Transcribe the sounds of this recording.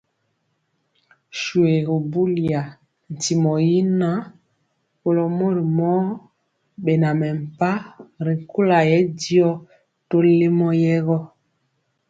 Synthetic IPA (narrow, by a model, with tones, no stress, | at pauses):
ʃu˨e˨ɣo˨bu˦li˨a˨ | n̩˨ti˨mɔ˨ji˦na˦ | po˨lɔ˨mo˦ɾi˨mɔ˦ | ɓe˨na˨mɛ˨m̩˨pa˦ɾi˨ku˦la˨jɛ˦di˦ɔ˦ | to˦le˦mɔ˦jɛ˦ɣɔ˦